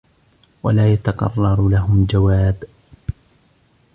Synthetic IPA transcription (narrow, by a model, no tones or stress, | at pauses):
wa̰laːjat̪aqɑ̰rˤːɑɾˤlaɦʊmd͡ʒawaːb